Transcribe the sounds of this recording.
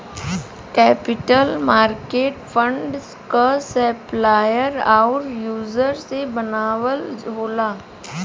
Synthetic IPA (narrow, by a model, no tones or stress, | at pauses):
kɛːpɪʈəlmaːɾkeːʈfʰə̃ɳɖs | kasɛːplaːjəɾaːʊɾjuːzəɾsebɐnaːwəld͡ʒoːlaː